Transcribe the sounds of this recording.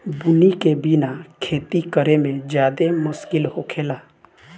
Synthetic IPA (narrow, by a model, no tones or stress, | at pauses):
bʊnikebinakʰeːt̪ikəɾemẽd͡ʒjaːd̪emʊskɪlɦokʰeːlaː